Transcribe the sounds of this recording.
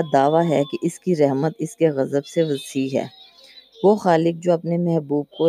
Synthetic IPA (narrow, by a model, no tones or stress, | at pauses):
d̪aːʋaɦɛkeʔɪskiɾɛɦmət̪ɪskeɣɐzəbseʋɐsiːɦɛ̰ː | ʋoːxaːlɪk̚d͡ʒoːɐpnemɛɦbuːb̚ko